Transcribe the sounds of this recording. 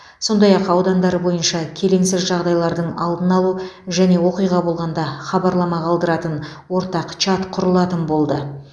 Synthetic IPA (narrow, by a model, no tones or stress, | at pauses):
so̞nd̪ɑjɑqɑwd̪ɑnd̪ɑɾəbo̞jənʃɑkʲʰe̞le̞ŋsɪzʒɑʁd̪ɑjlˠɑɾd̪əɴɑlˠd̪ənɑlˠuʒæne̞wo̞qijʁɑbo̞lˠʁɑnd̪ɑχɑbɑɾlˠɑmɑʁʰɑlˠd̪əɾɑt̪ən | wo̞ɾt̪ɑqt͡ʃʰɑt̪qʰʊɾəlˠɑt̪ənbo̞lˠd̪ə